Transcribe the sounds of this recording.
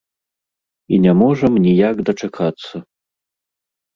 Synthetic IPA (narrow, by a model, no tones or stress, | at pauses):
inʲɛmɔʐɐmnʲijakd̪ɐt͡ʂakʰat̪sːɐ